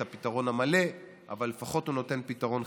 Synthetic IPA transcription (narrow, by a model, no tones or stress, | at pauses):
apitaʁo̞namale̞ | a̰valːefaχo̞tuno̞te̞npitaʁo̞n